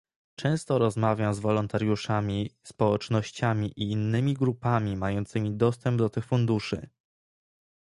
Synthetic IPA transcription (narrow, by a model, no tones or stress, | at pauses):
t͡ʂɛ̃w̃st̪ɔɾɔzmavʲjamzvɔlɔnt̪aɾjuʂamʲispɔwɛt͡ʂnɔɕt͡ɕamʲiʔiːnːɘmʲiɡɾupamʲimajɔnt̪sɘmʲid̪ɔst̪ɛmbd̪ɔt̪ɘxfund̪uʂɘ̰